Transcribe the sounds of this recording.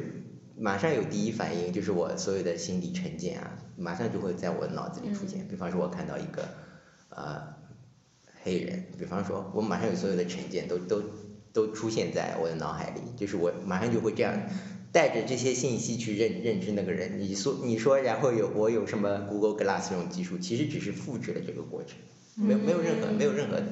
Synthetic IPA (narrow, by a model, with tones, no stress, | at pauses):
ma˨˩ʂɑ˥ŋjo˨˩ʊt̪i˥˩i˥fa̰˨˩ni˥˧ŋt͡ɕjo˧ʊʂ̬ɻ̩˥˩wɔ̰˨˩swɔ˧˥jo˨˩ʊd̪ə˩ɕi˥nli˨˩ʈ͡ʂʰə˧˥nt͡ɕjɛ̰˥˩nɐ̰˩ma˨˩ʂɑ˥˧ŋt͡ɕjo˥˧ʊxwe˥˧ɪt͡sa˥˩ɪwɔ̰˨˧˩d̪ə˦nɑ̰˨˩ʊt͡sɹ̩˥˧t͡ɕi˨˩ʈ͡ʂʰu˥ɕjɛ̰˥˩npi˨˩fɑ˥ŋʂwɔ˥˩wɔ˨˩kʰa˥˧nt̪ɑ˥˩ʊḭ˧˥ɡə̰˧ | ə̰˧ | xe˥ɪɻə̰˧˥npi˨˩fɑ˥ŋʂwɔ̰˥wɔ̰˧˥ma˨˩ʂɑ˥˧jswɔ˥jo˨˩ʊd̪ə˧ʈ͡ʂʰə˧˥nt͡ɕjɛ˥˩nt̪o˥ʊt̪o˥ʊt̪o˥ʊʈ͡ʂʰu˥ɕjɛ˥˧nt͡sa̰˥˩ɪwʔɔ̰˨˩d̪ə˦nɑ˧˥ʊxa̰˧˥ɪlḭ˨˩t͡ɕjo˥˧ʊʂɻ̩˥˩wɔ˧˩˥ma˨˩ʂɑ˥˧ŋt͡ɕo˥˧ʊxwe˥˧ɪʈ͡ʂɤ˥˧jɑ̰˥˧ŋ | t̪a˥˩ɪʈ͡ʂə˩ʈ͡ʂɤ˥˩ɕ̬jɛ˥ɕi˥˩nɕi˥t͡ɕʰy˥˧ɻə˥˧nɻə˥˩nʈ͡ʂɻ̩˥na˥˩ɡə˩ɻə̰˧˥nni˨˩ʂwɔ˥ni˨˩ʂwɔ˥ɻa˧˥nxo˥˩jo˨˩ʊwʔɔ˧˥jo˨˩ʊʂə˧˥nmə˧ku˧˥ɡə˧˥lkə˧˥la̰˥˧sɹ̩i˥˧jʊ˥˩ŋt͡ɕi˥˧ʂu˥˩t͡ɕʰi˧˥ʂɻ̩˧˥ʈ͡ʂɻ̩˨˩ʂɻ̩˥˧fu˥˧ʈ͡ʂɻ̩˥˩lə̰˩ʈ͡ʂɤ˥˩ɡə̰˩kwɔ̰˥˩ʈ͡ʂʰɤ̥˧˥˦ŋ | me˧˥o˨˩m˧˥jɻə˥˩nxxɤ̰˧˥me˧˥jo˨˩ʊɻə˥˩xɤ̰˧˥˧